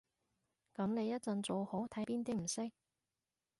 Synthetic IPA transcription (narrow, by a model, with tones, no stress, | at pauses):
kɐ˨˧˥mne˨˧jɐ˥t̚t͡sɐ˨nt͡soː˨who˨˥wt̪ʰɐ˨˥jpiː˥nt̪i˥m̩˨˩sɪ˥k̚